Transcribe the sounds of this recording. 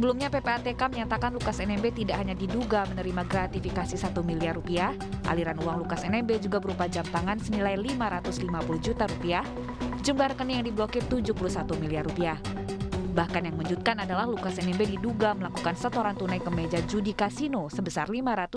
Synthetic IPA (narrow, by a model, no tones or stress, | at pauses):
səbəlumɲapepeat̪ekaməɲat̪akanlukasɛnɛmbet̪idakhaɲadiduɡamənəɾimaɡɾat̪ifikasisat̪umiliarupiah | ʔa̰liɾanuaŋlukasɛnɛmbed͡ʒuɡabəɾupad͡ʒamt̪aŋansənilajlimaɾat̪ʊslimapuluhd͡ʒut̪aɾupiah | d͡ʒumblaɾəkənijaŋdiblokɪrt̪ud͡ʒuhpuluhsat̪umiliarupiah | bahkanjaŋmuɲd͡ʒut̪̚kanadalahlukasɛnɛmbediduɡaməlakukansət̪oɾaŋt̪unajkəmed͡ʒad͡ʒudikasinosəbəsarlimaɾat̪ʊ